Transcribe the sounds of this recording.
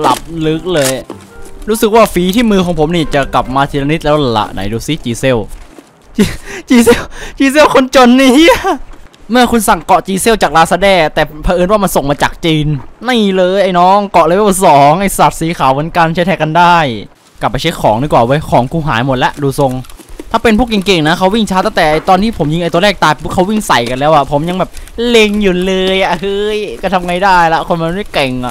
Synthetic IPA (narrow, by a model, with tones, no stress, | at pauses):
la˨˩p̚lɯ˦˥k̚lɤː˧j | ɾuː˦˥sɯ˨˩k̚waː˥˩fiː˨˦˥t̪ʰiː˥˩mɯː˧kʰɔː˩˦ŋpʰo˨˦mniː˧˥˩t͡ɕa˨˩kla˨˩p̚maː˧t̪ʰi˨˩ɾa˧ni˦˥t̪̚lɛː˦˥la˧la̰˧˩ʔna̰˩˦jduː˧si˧˦˩t͡ɕiː˧se˥˩w | t͡ɕːt͡ɕiː˧se˥˩wt͡ɕiː˧s̬e˥˩wkʰo˧nt͡ɕo˧nːiː˦˥ | mɯ˥˩ɐkʰu˧nsa˨˩ŋkɔ˨˩ʔt͡ɕiː˧se˥˩wt͡ɕaː˨˩k̚laː˧˥sa˧dɛː˧˩t̪ɛː˨˩pʰa˧ʔɤː˧nwaː˥˩ma˧nso˨˩ŋmaː˧t͡ɕaː˨˩k̚t͡ɕiː˧nna˧˥˩jlɤː˧jʔa˧˩jnɔː˦˥ŋkɔ˨˩ʔlɤː˧˥jsɔː˩˦ŋʔa˧˩jsa˨˩t̪̚siː˩˦xʰaː˨˩˦wo˩˦nkaː˧nt͡ɕʰt̪ʰːka˧ndaː˥˩j | ka˨˩pːa˧jt͡ɕʰa˦˥jkʰɔː˩˦ŋdu˧˩kwaː˨˩wɤː˦˥jkʰɔː˩˦ŋku˧˩ɦa̰ː˩˦jmo˨˩t̪̚lɛ˦˥ʔduː˧˩so˧ŋt̪ʰaː˥˩pe˧npʰuː˥˩k̬e˨˩ŋke˨˩ŋna˦˥kʰa˦˥wi˥˩ŋt͡ɕʰaː˦˥t̪a˥˩t̪ɛː˨˩ʔa˧˩jt̪ɔː˧nt̪ʰiː˥˩pʰo˩˦mji˧ŋʔjt̪u˧ɐ˧lɛː˥˩k̚t̪aː˧jpʰu˥˩kʰa˦˥wi˥˩ŋsa̰˨˩jka˧nlɛː˦˥wʔa˨˩pʰo˩˦mja˧ŋbɛː˨˩p̚le˧ŋju˨˩lɤː˧jʔa˨˩hɯ˦˥jkaː˥˩t̪ʰa˧mŋa˧jdaː˥˩jlɛ˦˥ʔkʰo˧nma˧n˧˦ma˥˩kɛ˨˩ŋʔa̰˨˩ʔ